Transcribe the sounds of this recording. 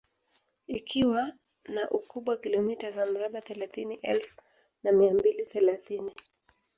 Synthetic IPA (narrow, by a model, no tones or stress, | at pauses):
ikʰiwa | naʔukuɓwakilɔmitazam̩ɾaɓaθɛlaθiniʔɛlfu | namiambiliθɛlaθini